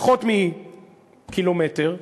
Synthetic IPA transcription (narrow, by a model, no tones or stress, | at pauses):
χotmi | kilometeʁ